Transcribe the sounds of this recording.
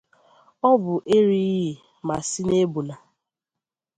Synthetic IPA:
ɔ˦bʊ˨ʔe˦ɾi˦ɦi˨ | ma˨si˦ne˦bu˨na˨

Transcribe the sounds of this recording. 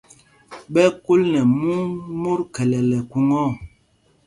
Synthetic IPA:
ɓɛ˦ku˦lnɛ˨mu˦ŋmu˦ɾkɛ˨lɛ˨lɛ˨ku˦ŋɔ˦˨

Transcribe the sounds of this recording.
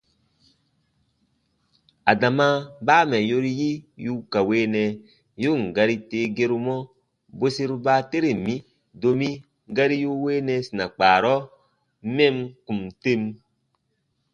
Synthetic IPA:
a˨da˨ma˦baː˦mɛ˨jo˦ɾi˦ji˦ju˦ka˨weː˦nɛ˨ | ju˦˨ŋ˨ɡa˦ɾi˦te˦ɡe˦ɾu˦mɔ˦ | bo˦si˦ɾu˦ba˦te˦ɾe˨mi˦ | do˦mi˦ | ɡa˦ɾi˦ju˦weː˦nɛ˧si˨na˨k͡paː˨ɾɔ˦ | mɛ˦mku˨mte˦m

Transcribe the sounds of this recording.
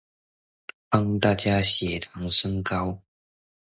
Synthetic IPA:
fɑ˥ŋt̪a˥˧t͡ɕja˥ɕjɛ˨˩t̪ʰa˨˥ŋʂə˥ŋkɑ˥ʊ

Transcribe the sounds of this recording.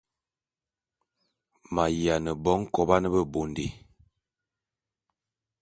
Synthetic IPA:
ma˨ja˨nə˨bɔ˦ŋ˦kɔ˨ba˦nə˦bə˦bo˨ndḛ˨

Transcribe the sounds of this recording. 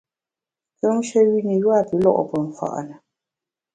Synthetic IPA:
kə˦m˦ʃə˦ɥi˦ni˨jwa˦˨pi˨˦lɔ̰˦ʔɔ˨pə˨ɱ̩˨fa̰˨ʔnə˨

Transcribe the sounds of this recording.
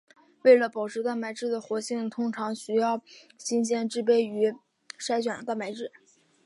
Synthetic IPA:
we˥˩ɪlə˩pɑ˨˩ʊʈ͡ʂʰɻ̩˧˥t̪a˥˩ma˧˥ɪʈ͡ʂɻ̩˥˩d̪ə˩xwɔ˧˥ɕi˥˩ŋt̪ʰʊ˥ŋʈ͡ʂʰɑ˧˥ŋɕy˥jɑ˥˩ʊɕi˥nɕjɛ˥˧nʈ͡ʂɻ̩˥˧pe˥ɪy˧˥ | ʂa˥ɪt͡ɕɥɛ˨˩nt̪a˥˩nma˧˥ɪʈ͡ʂɻ̩˥˩

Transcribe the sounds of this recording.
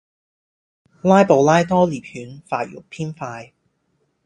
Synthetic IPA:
laː˥jpo˨˩wlaː˥jt̪ɔː˥liː˨˩p̚hyː˨˥nfaː˧˩jʊ̰˨˩k̚pʰiː˥nfaː˧j

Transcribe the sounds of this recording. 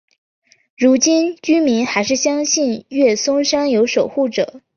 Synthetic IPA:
ɻu˧˥t͡ɕi˥nt͡ɕy˥mi˧˥ŋxa˧˥ɪʂɻ̩˥˩ɕjɑ˥ŋɕi˥˧nɥɛ˥˩sʊ˥ŋʂɑ˥ŋjo˧˥ʊʂo˨˩ʊxu˥˩ʈ͡ʂɤ̰˨˩˦

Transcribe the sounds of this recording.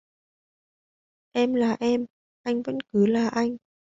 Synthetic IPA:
ʔɛ˧mlaː˨˩ʔɛ˧m | ʔa˧jŋ̟və̰˧˥nkɨ˨˦laː˨˩ʔa˧jŋ̟

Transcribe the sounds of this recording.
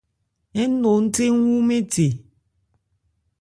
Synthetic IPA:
e˦n̩˦no˨n̩˦te˦ŋ˦ŋʷu˦me˦te˨

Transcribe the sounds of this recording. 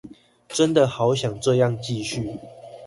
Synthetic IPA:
ʈ͡ʂə˦nd̪ə˨xɑ˨˧˦ʊɕjɑ˨˩ŋʈ͡ʂɤ˥˧jɑ˥˨ŋt͡ɕi˥˧ɕy˥˨

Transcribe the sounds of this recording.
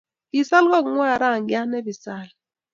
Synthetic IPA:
i˨sa˦lkɔ˦˨˦ŋwa˦˨ɾa˦˨ŋ˨i˦a˦nɛ˦bi˨saː˦l

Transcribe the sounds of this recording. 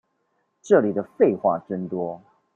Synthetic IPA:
ʈ͡ʂɤ˥˩li˨˩d̪ə˩fe˥˧ɪxwa̰˥˨ʈ͡ʂə˥nt̪wɔ˥

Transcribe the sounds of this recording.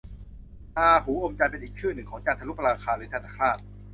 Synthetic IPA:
ʔaː˧pʰuː˩˦ʔo˧mt͡ɕa˧jpe˧nʔiː˨˩k̚t͡ɕʰɯː˥˩nɯ˨˩ŋkʰɔː˩˦ŋt͡ɕaː˧˩t̪ʰa˧lu˦˥pɾaː˧kʰaː˧lɯː˨˦t̪ʰaː˧naː˦˩kʰɾaː˥˩t̪̚

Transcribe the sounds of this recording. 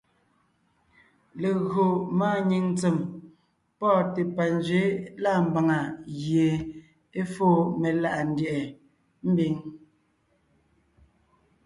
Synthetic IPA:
le˨ɣo˨maː˦ɲi˨ŋn˦t͡se˨m | pɔː˦˨te˨pa˨n˦d͡ʒɥe˨˦la˦˨m̩˨ba˨ŋa˨ɣje˨ | e˦fo˦me˨la˦ʔa˨n̩˦djɛ˨ʔɛ˨ | m̩˦bi˨˦ŋ

